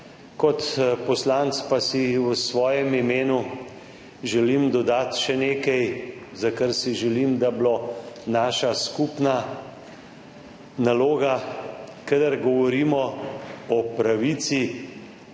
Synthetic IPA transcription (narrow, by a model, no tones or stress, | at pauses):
kɔt̪pɔslant̪spasisʋɔːjɛmimeːnu | ʒɛlimd̪ɔd̪aːt̪ʃɛneːkɛjzakəɾsiʒɛlimd̪ablonaːʃaskupna | naloːɡakəd̪əɾɡɔʋɔɾiːmɔɔpɾaʋit̪si